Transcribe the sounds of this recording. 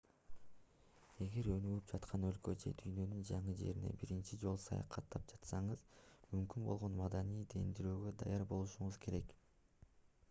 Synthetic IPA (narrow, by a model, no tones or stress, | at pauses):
e̞ɡe̞ɾø̞nyɡyp̚d͡ʒɑt̪qʰɑnø̞lkød͡ʒe̞̰d̪yjnø̞nynd͡ʒɑɴɯd͡ʒe̞̰ɾine̞̰biɾint͡ʃid͡ʒo̞lˠsɑ̰jɑ̰qʰɑt̪ːɑp̚d͡ʒɑt̪sɑɴɯzmymkynbo̞lˠʁo̞nmɑd̪ɑnijd̪e̞nd̪iɾøːɡø̞d̪ɑjɑɾbo̞lˠuʃuɴuzkʰe̞ɾe̞k